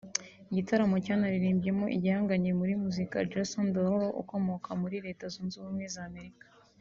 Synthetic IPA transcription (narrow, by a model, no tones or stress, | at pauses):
iɟitaɾamo̞caːnaɾiɾiːmbje̞mo̞ʔḭɟihaːŋɡaɲemuɾimuzika̰d͡ʒasondoɾoʔṵko̞mo̞kamuɾiɾe̞ːtazuːnzuumwe̞zaːme̞ɾikḁ